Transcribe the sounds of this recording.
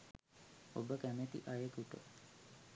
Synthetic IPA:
obəkæmet̪ḭʔajekuʈə̰

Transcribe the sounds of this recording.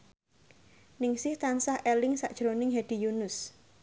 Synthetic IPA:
nɪŋsɪht̪ansahʔelɪŋsaʔd̥ʒ̥ɾonɪŋɦɛd̥i̤junʊs

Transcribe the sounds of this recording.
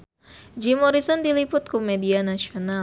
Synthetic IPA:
d͡ʒimɔɾisɔndilipʊt̪̚kumɛdianaʃiona

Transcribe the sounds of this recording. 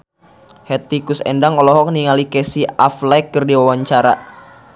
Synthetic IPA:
hɛt̪ikusɛ̰ndaŋɔlɔɦɔk̚niŋalikɛsiaflɛkːərdiwawaɲt͡ʃaɾa

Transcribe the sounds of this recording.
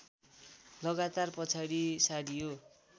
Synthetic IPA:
lʌɡat̪arpʌt͡sʰaɽisaɽijo

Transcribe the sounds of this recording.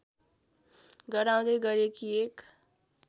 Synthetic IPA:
ɡʌɾaw̃d̪ʌjɡʌɾekiek

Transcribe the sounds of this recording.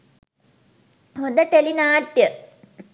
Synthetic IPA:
ɦod̪əʈelinaːʈjə

